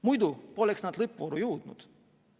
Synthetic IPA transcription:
mujd̪upolʲɛksnat̪lˠɪpvoɾujuːd̪nṵt̪

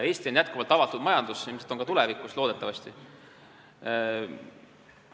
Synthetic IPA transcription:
e̞ːst̪io̞njæt̪̚kuvɑlt̪ːˑɑvɑt̪ːˑud̪̥mɑjɑnd̪̥usimiset̪ːˑo̞ŋkɑt̪ulevikˑuslo̞ːd̪et̪ːˑɑvɑst̪i

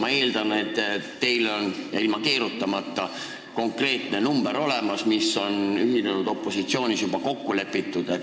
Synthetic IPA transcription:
mɑe̞ːld̪̥ɑne̞t̪ːˑt̪e̞jlo̞njɑ̰ilmɑke̞ːɾut̪ːɑmɑt̪ˑːɑ | ko̞ŋkre̞ːt̪ne̞numb̥e̞ɾo̞le̞mɑsmisːo̞nyɦinenud̪̥o̞pːo̞sit̪sio̞ːnʲisjubɑko̞kːule̞pːˑit̪ːˑud̪̥e

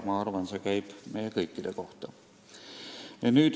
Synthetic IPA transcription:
mɑɑrvɑnsekæjb̥mejekɤjkːˑid̪̥eko̞ht̪ɑ | jɑnyːd̪

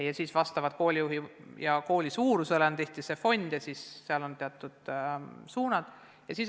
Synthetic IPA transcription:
jɑsiːsvɑst̪ɑvɑd̪̥̚ko̞ːlʲijuɦijɑko̞ːlʲisuːɾuselent̪eht̪issefo̞nʲd̪̥jɑsiːsseɑlo̞nt̪eɑt̪ːˑud̪̥suːnɑd̪̥ | jɑsiːs

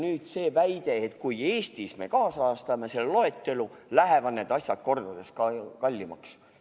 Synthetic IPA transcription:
nyːd̪̥se̞ːvæjd̪̥e̞ːt̪ˑkuje̞ːst̪isme̞̰kɑːsɑːst̪ɑme̞se̞llo̞e̞t̪ːˑe̞lulæɦe̞vɑd̪neːd̪̥ɑsʲjɑd̪̚ko̞rd̪̥ɑd̪̥e̞skɑkɑlʲːimɑ̰ks

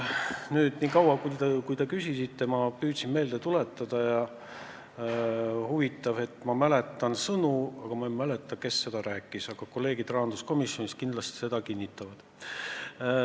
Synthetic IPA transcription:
nyːd̪̥niːkɑwɑkujt̪ekujt̪e̞kysisit̪ːe̞mɑpyːt̪sinme̞ːld̪et̪ule̞t̪ːˑɑd̪̥ɑjɑ | huvit̪ˑːɑve̞t̪ːˑmɑmæle̞t̪ːˑɑnsɤnuɑɡ̥ɑmɑemæle̞t̪ːˑɑke̞sːe̞d̪̥ɑɾæːkˑːisɑɡ̥ɑko̞lːe̞ːɡ̥id̪rɑɦɑnd̪̥usko̞misjo̞niskind̪lɑst̪i̥se̞d̪ɑkinʲːit̪ːˑɑvɑd̪̥

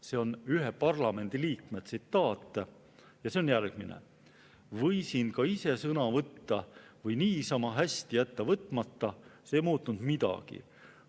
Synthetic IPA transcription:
se̞o̞nyɦepɑrlɑme̞nd̪̥iliːkmet̪sit̪ːˑɑːt̪ːˑe | jɑseo̞njærɡ̥minḛ | vɤjsinkɑise̞sɤnɑvɤt̪ːɑvɤjniːsɑmɑɦæsʲt̪ijæt̪ːɑvɤt̪ːˑmɑt̪ːɑseːjmuːt̪ːˑund̪̥mid̪̥ɑ̰ɡ̥ḭ

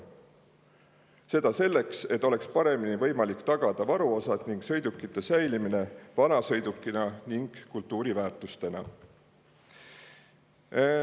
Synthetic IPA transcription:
se̞d̪̥ɑse̞lːe̞kse̞t̪ˑːo̞le̞kspɑɾe̞minivɤ̞jmɑlikt̪ɑɡ̥ɑd̪̥ɑvɑɾuo̞sɑd̪̥niŋɡ̥sɤ̞jd̪ukːˑit̪ːˑesæjlimine̞vɑnɑsɤ̞jd̪ukˑːinɑniŋɡ̥kːult̪ːˑuːɾivæːrt̪ˑust̪e̞nɑ̰

